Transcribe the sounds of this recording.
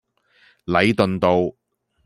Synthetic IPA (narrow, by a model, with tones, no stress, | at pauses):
lɐ˨˥jt̪ɵ˨nt̪o˨w